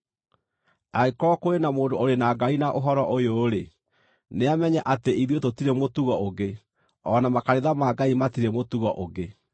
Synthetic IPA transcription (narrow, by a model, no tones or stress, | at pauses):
aikɔkoenamoːdooɾenaːɡainaʔoɦɔɾɔʔojoːɾe | neamɛɲɛʔateiðietotiɾemotuɣɔoɣe | ɔnamakaɾeðamaɡaimatiɾemotuɣɔʔoɣe